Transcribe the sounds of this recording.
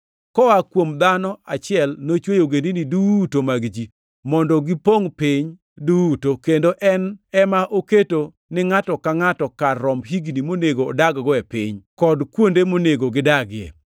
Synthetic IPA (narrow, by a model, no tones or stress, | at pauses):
kɔakwomd̪anɔat͡ʃɪɛlnot͡ʃwejoɡendinidutomaɡd͡ʒi | mɔndɔɡipoŋpɪɲ | dutokendoʔɛnɛmaʔoketo | nɪŋatɔkaŋatɔkarːɔmɦiɡnimoneɡo̰ːdaɡɡɔɛpɪɲkɔdkwondemoneɡoɡɪdaɡɪjɛ̰